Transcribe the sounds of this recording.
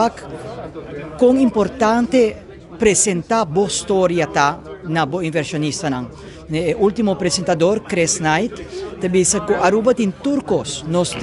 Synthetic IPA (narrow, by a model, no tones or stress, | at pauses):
ak | kːoŋĩmpoɾt̪ãnt̪e | pɾesent̪abost̪oɾjɐt̪anɐboĩɱveɾsjonist̪ɐnɐ̃ŋ | neeʔult̪imopɾesẽnt̪ɐd̪oɾkɾesnajt̪ːɐbisɐkuɐɾubɐt̪int̪uɾkosnos